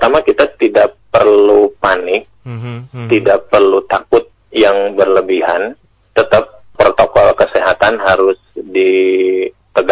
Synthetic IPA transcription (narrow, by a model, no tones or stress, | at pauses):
t̪amakit̪at̪idaʔpərlupanɪk̚t̪idaʔpərlut̪akʊt̪̚jaŋbərləbiɦa̰n | t̪ət̪ap̚ːrot̪okɔlkəseɦat̪anɦaɾʊsdi | t̪əɡ